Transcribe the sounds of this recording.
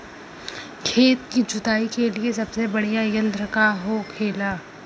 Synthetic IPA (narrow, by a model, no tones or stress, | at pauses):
kʰeːt̪kid͡ʒʊt̪aːikeliesɐbsebɐɽijajɐ̃nd̪ɾəkaɦoːkʰeːlaː